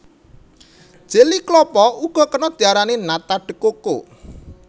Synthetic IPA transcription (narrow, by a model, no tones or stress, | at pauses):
d̥ʒ̥eliklɔpɔuɡ̥ɔ̤kənɔd̪̥i̤aɾanenat̪aɖ̥ə̤koko